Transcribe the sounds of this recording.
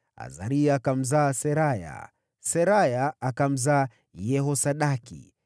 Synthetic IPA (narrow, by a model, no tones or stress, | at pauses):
a̰zaɾiaːkam̩zaːsɛɾaja̰ | sɛɾajaakam̩zaː | jɛhɔsaɗakḭ